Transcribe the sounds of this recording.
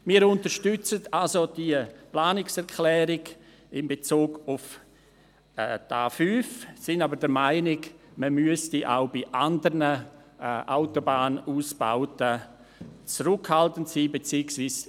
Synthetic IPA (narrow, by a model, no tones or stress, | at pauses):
miːəɾʊntəʃtʏt͡sətʰalsod̥iəplaːnɪksɛʁkʰlɛːɾɪɡ | ɪmbet͡suːɡʊf | ta̰ːfyːfsɪnabəɾdəɾmaɪnɪɡməmyəstiʔa̰ʊbiʔandəɾnə | ʔaʊtobaːnuːsb̥a̰ʊtə | t͡sɾʊkhaltəntsiːbet͡siːəksviːs